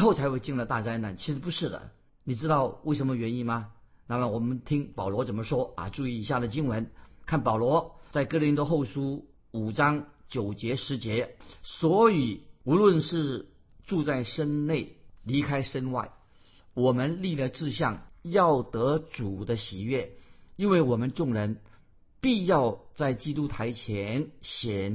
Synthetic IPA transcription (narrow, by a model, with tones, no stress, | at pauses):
xo˥˩ʊt͡sʰa˧˥ɪxwe˥˧ɪt͡ɕi˥˩ŋnlə˩t̪a˥˧t͡sa˥ɪna˥˩nt͡ɕʰi˧˥ʂɻ̩˧˥pu˧˥ʂɻ̩˥˩d̪ə̰˩ | ni˨˩ʈ͡ʂɻ̩˥t̪ɑ˥˧ʊwe˥˩ʂə˧˥mə˧ɥɛ˧˥ni˧˥mɐ˩ | na˥˩mə˩wɔ˨˩mə˦nt̪ʰi˥ŋpɑ˨˩ʊlwɔ˧˥t͡sə˨˩nmə˦ʂwɔ˥a̰˧ʈ͡ʂu˥˧i˥˩i˧˥ɕ̬ja˥˩d̪ə˩t͡ɕi˥ŋwə˧˥nkʰa˥˩npɑ˨˩ʊlwɔ˧˥t͡sa˥˩ɪkɤ˥li˧˥nt̪wɔ˥xo˥˩ʊʂu˥ | u˨˩ʈ͡ʂɑ˥ŋt͡ɕjo˨˩ʊt͡ɕjɛ˧˥ʂɻ̩˧˥t͡ɕjɛ˧˥swɔ˧˥i˨˩˦u˧˥lwə˥˧nʂɻ̩˥˧ | ʈ͡ʂu˥˧t͡sa˥˩ɪʂə˥nne˥˩ɪli˧˥kʰa˥ɪʂə˥nwa̰˥˩ɪ | wɔ˨˩mə˧nli˥˩lə˧ʈ͡ʂɻ̩˥˧ɕjɑ˥˩ŋjɑ˥˩ʊt̪ɤ˧˥ʈ͡ʂu˨˩d̪ə˦ɕi˨˩ɥɛ˥˩i˥nwe˥˩ɪwɔ˨˩mə˦nʈ͡ʂʊ˥˩ŋɻə˧˥n | pi˥˧jɑ˥˧ʊt͡sa˥˩ɪt͡ɕi˥t̪u˥t̪ʰa˧˥ɪt͡ɕʰjɛ˧˥nɕjɛ˨˩n